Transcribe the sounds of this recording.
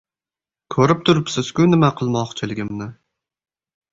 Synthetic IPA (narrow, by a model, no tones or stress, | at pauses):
kʰɵɾɪp̚t̪ʰʊɾɪpsɪz̥kʲʊnɪmaqʰɨlˠmɒqt͡ʃʰɪlɪɡʲɪmnɪ